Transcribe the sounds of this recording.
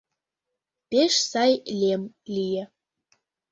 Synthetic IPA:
peʃsɑjlem | lʲijĕ

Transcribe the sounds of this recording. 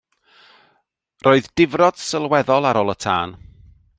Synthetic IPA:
rʔoːɨðdɪvrɔd̥səlˠwɛðɔlˠaɾoːlˠətʰa̰ːn

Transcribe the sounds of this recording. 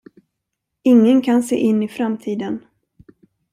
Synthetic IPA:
ɪŋːənkʰansḛːʔɪnːɪfɾamt̪ʰiːd̪ən

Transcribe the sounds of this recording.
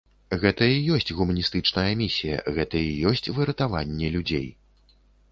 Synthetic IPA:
ɣɛt̪ɐijɔsʲt͡sʲɣumɐnʲist̪ɨt͡ʂnɐjɐmʲisʲijɐ̰ɣɛt̪ɐijɔsʲt͡sʲvɨɾɐt̪ava̰nʲːɛlʲud͡zʲḛj

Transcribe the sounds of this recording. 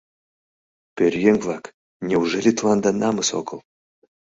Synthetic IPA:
pʲeɾʲjeŋlˠak | nʲɛuʐɛlʲit̪lˠand̪anamɨso̰kəlˠ

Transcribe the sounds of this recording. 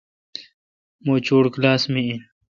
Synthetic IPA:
moːt͡ɕoːɽklaːsmiin

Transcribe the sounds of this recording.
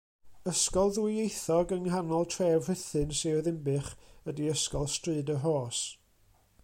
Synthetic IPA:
əskɔlˠðwejθɔɡəŋɦanɔlˠtʰrɛːvrɪθɨnseðɪmbɨχədiəskɔlˠstrɨːdəɦoːs

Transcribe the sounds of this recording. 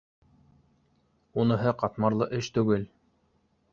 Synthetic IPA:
unɤ̆ɦɤqɑt̪mɑɾlˠɤʔɘʃt̪ʉɡɘl

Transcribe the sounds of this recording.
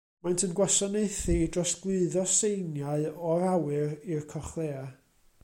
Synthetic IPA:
majntʰənɡwasɔneɨθidrɔsɡ̥lˠɨɨðɔsejnjaɨɔɾawɨɾirkʰɔχlˠeːa

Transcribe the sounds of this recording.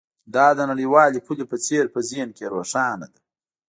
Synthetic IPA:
d̪ɑːd̪ənaɽiwɑːlepʰulepət͡seɾpəzenkeɾoːʂɑːnad̪a

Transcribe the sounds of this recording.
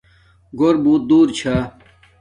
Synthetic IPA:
ɡoɾbuːt̪̚d̪uːɾt͡ɕʰaː

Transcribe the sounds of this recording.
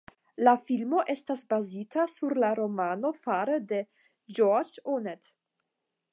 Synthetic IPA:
lafilmo̞ʔestasbazitʰasuɾlaɾo̞mano̞faɾede | d͡ʒoɾd͡ʒonet

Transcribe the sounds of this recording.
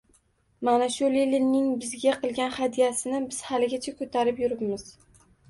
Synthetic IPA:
manaʃʊlilɪnnːɪŋbɪzɡʲaqʰɨlˠɡʲanhad̪ijasɪnɪbɪz̥halɪɡʲat͡ʃʰakʰɵt̪ʰaɾɪpjʊɾɪpmɪz̥

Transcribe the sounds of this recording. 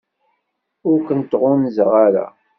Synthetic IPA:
ʊɾkənt̪ːʁʊnzʁaɾa̰

